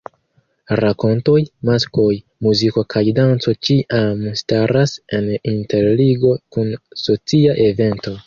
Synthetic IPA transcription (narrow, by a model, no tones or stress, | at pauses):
ɾako̞nto̞jmasko̞j | muziko̞kʰajdant͡so̞t͡ʃiʔamstaɾase̞ninte̞ɾliɡo̞kunso̞t͡siaʔe̞ve̞nto̞